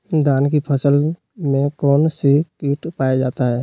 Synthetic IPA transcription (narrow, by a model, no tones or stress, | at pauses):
d̪aːnkipʰəsəl | mẽkɔːnsikiːʈpaːjad͡ʒaːt̪aɦɛː